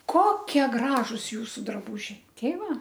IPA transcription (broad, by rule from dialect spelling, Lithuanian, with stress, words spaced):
ˈkoːkʲiɛ ˈɡrɑːʒʊs ˈjuːsʊ drɐˈbuːʒʲɛɪ ˈtʲɛɪ ˈʋɐ